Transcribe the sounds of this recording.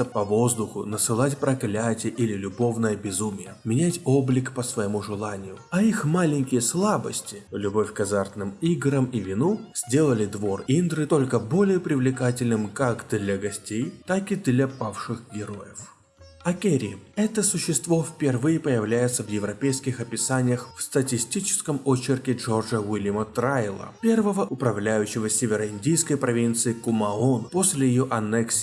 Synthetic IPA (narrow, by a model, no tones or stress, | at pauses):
əpɐvo̞zd̪ʊxʊnəsɨlˠatʲpɾɐklʲætʲɪjəʔilʲɪlʲʊbo̞vnəjəbʲɪzumʲɪjəmʲɪnʲætʲo̞blʲɪkpəsvɐjɪmuʐɨlˠanʲɪjʊɐixmalʲɪnʲkʲɪjəslˠabə̰sʲtʲɪlʲʊbo̞fʲkɐzart̪nɨmiɡɾəmivʲɪnuz̥ʲdʲe̞lˠəlʲɪd̪vo̞rind̪ɾɨt̪o̞lʲkəbo̞lʲɪjəpɾʲɪvlʲɪkatʲɪlʲnɨmkakd̪lʲɐɡɐsʲtʲejt̪akɨd̪lʲɐpafʂɨxɡʲɪɾo̞jɪf | ɐkʲeɾʲɪ̰ɛt̪əsʊɕːɪst̪vo̞fʲpʲɪrvɨjɪpəjɪvlʲæjɪt̪səvjɪvɾɐpʲejskʲɪxɐpʲɪsanʲɪjəxfst̪ətʲɪsʲtʲit͡ɕɪ̥skəmot͡ɕːɪrkʲɪʐo̞rʐəwilʲjəmət̪ɾajlˠə̰pʲe̞rvəvəʔʊpɾɐvlʲæjʉɕːɪvəsʲevʲɪɾəɪndʲijskəjpɾɐvʲint̪sɨɪkʊmɐonpo̞sʲlʲɪjɪjoʔɐnɛksʲ